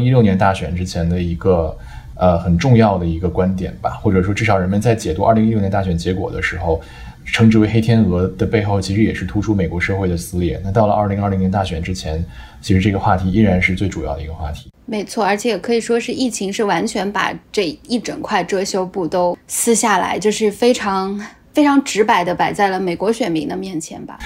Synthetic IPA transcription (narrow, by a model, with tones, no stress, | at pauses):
ŋi˥ljʊnjɛ˧˥nt̪a˥˩ɕɥɛ˨˩nʈ͡ʂɻ̩˥t͡ɕʰjɛ˧˥nd̪ə˧i˧˥ɡə˧ | ə˧xə˨˩nʈ͡ʂʊ˥˧ŋjɑ˥˩ʊd̪ə˩i˧˥ɡə˧kwa˥nt̪jɛ̰˨˩nbɐ̰˩xwɔ˥˩ʈ͡ʂɤ˨˩ʂ̬wɔ˥ʈ͡ʂɻ̩˥˩ɑ˨˩ʊɻə˧˥nmə˧nt͡sa˥˩ɪt͡ɕjɛ˨˩t̪u˧˥ɐ̰˞˥˩li˧˥ŋi˥˩nɛ˧˥t̪a˥˩ɕɥɛ˧˥nt͡ɕjɛ˧˥kwɔ̰˨˩d̪ə̰˦ʂɻ̩˧˥xo˥˧ʊ | ʈ͡ʂʰɤ˧˥ŋʈ͡ʂɻ̩˧˩we˧˥ɪxe˥ɪt̪ʰjɛ˥nɤ˧˥d̪ə˧pe˥˧ɪxo˥˩ʊt͡ɕʰi˧˥ʂɻ̩˧˥jɛ˨˩ʂɻ̩˥˩t̪ʰu˥ʈ͡ʂʰu˥me˨˩ɪkwɔ˧˥ʂɤ˥˧xwe˥˩ɪd̪ə˩sɹ̩˥ljɛ̰˥˩na˥˧t̪ɑ˥˩ʊlə˩˧ʔɐ˞˥˩li˧˥ŋɐ˞˥˩li˧˥ŋjɛ˧nt̪a˥˩ɕɥɛ˨˩nʈ͡ʂɻ̩˥t͡ɕʰjɛ˧˥n | t͡ɕʰi˧˥ʂɻ̩˧˥ʈ͡ʂɤ˥˩ɡə˩xwa˥˩t̪ʰi˧˥i˥ɻa˧˥nʂɻ̩˥˧t͡swe˥˩ɪʈ͡ʂu˨˩jɑ˥˩ʊd̪ə˩i˧˥ɡə˧xwa̰˥˩t̪ʰi̥˧˥me˧˥ɪt͡sʰwɔ˥˩ə˞˧˥t͡ɕʰjɛ˧˥jɛ˨˩kʰɤ˧˥i˨˩ʂwɔ˥ʂɻ̩˥˧i˥˩t͡ɕʰi˧˥ŋʂɻ̩˥˩wa˧˥nt͡ɕʰɥɛ˧˥npa̰˨˩ʈ͡ʂe˥˧i˥˩ʈ͡ʂə̰˨˩ŋkʰwa˥˩ɪʈ͡ʂɤ˥ɕjo˥ʊpu˥˩t̪o˥ʊsɹ̩˥ɕja˥˩la̰˧˥ɪt͡ɕjo˥˧ʊʂɻ̩˥˩fe˥ɪʈ͡ʂʰɑ˧˥ŋ | fe˥ɪʈ͡ʂʰɑ˧˥ŋʈ͡ʂɻ̩˧˥pa˨˩ɪd̪ə˦pa˨˩ɪt͡sa˥˩ɪlə˩me˨˩ɪkwɔ˧˥ɕɥɛ˨˩nmi˧˥ŋd̪ə˧mjɛ˥˩nt͡ɕʰjɛ̰˧˥nbɐ̰˧